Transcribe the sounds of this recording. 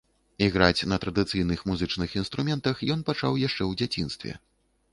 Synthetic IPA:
iɣɾat͡sʲnɐt̪ɾɐd̪ɨt̪sɨjnɨxmuzɨt͡ʂnɨxin̪st̪ɾumʲɛnt̪ɐxjɔnpat͡ʂa̰wjaʂt͡ʂɛwd͡zʲat͡sʲinst̪vʲɛ̰

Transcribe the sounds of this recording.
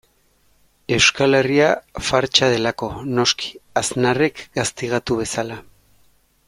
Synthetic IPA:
e̞wskale̞riafaɾt͡ʃað̞e̞lako̞no̞skʰi̥aznare̞kɡast̪iɣ̞at̪uβ̞e̞sala

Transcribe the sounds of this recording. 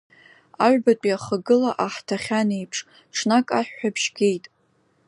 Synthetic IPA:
aʕʷᶣbat͡pʷʼiaχəɡɨlaʔaħtʰaχʲanejpʰʂʼ | ʈ͡ʂʰnakʼaħᶣːabʰʃɡʲe̞jtʼ

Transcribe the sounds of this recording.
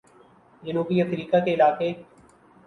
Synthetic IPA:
d͡ʒənuːbiəfɾiːkakeɪlaːkeː

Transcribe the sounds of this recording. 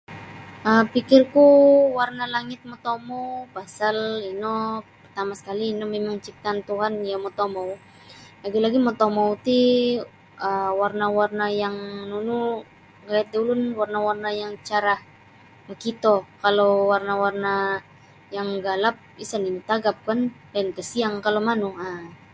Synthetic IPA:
ʔəpikɪrkuwarnalaŋɪt̪̚mot̪omopasalinopərt̪amasə̥kaliːnɔmemaŋt͡ʃip̚t̪ant̪uɦanjamot̪omow | laɡilaɡimot̪omowt̪i | əwarnawarnajaŋnunu | ɡajat̪̚dulʊnwarnawarnajaŋt͡ʃaɾah | makit̪okalowarnawarna | jaŋɡalap̚isaninut̪aɡap̚kandankəsiaŋkalomanua

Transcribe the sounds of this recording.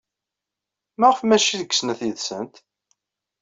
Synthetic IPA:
mæʁəfmæʃiðəɡə̥snæθjəðsə̰nt̪

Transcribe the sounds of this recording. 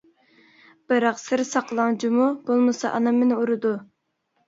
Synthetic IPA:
b̥ɨɾɑqsɨɾsɑqəlˠɑŋd͡ʒumub̥olˠmɨsɑʔɑnɑmːɪnɪuɾɨd̪u

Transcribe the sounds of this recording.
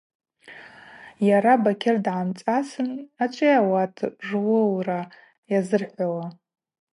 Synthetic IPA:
jaɾabakʲʰɪrdʕamt͡sʼasɨnat͡ʃʷʼɪjawatʰʐwɨwra | jazɨrħʷawa

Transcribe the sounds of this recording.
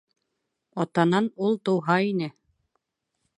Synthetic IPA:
ɒt̪ɑnɑnulˠt̪ŏwɦɑinɘ

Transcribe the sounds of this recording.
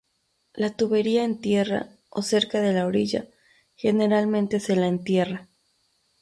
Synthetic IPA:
lat̪uβe̞ɾiae̞nt̪je̞ra̰ | o̰se̞ɾkaðe̞laoɾiʝa̰ | xe̞ne̞ɾalmẽ̞nt̪e̞se̞laent̪je̞ra

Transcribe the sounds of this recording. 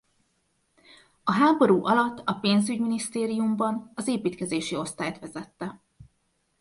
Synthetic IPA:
ɒɦaːbo̞ɾuːʔɒlɒt̪ːɒpeːnzyɟminist̪eːɾijumbɒnɒzeːpiːt̪kɛzeːʃio̞st̪aːjt̪ʋɛzɛt̪ːɛ

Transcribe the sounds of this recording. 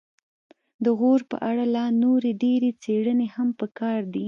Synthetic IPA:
d̪əɣoɾpə̰ʔaɽalɑnoɾeɖeɾet͡seɽənehampəkɑɾd̪i

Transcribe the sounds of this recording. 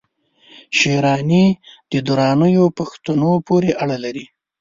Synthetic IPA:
ʃeɾɑnid̪̥əd̪uɾɑnəjopaxt̪anopoɾeʔaɽalaɾi

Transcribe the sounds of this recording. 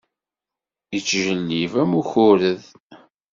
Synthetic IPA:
ət͡sːʒəlːivæmuçʊɾəð

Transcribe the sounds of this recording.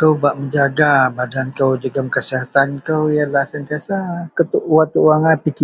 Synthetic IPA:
kəwbaʔməɲd͡ʒaɡabadankəwd͡ʒəɡəmkəsiɦat̪ankəwjalahsənt̪iasakət̪uʔuwat̪uʔwaŋapiki

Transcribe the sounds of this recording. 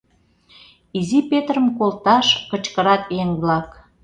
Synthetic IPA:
izipet̪rəmkolt̪ɑʃkə̆t͡ɕkəɾɑt̪eŋβlɑk

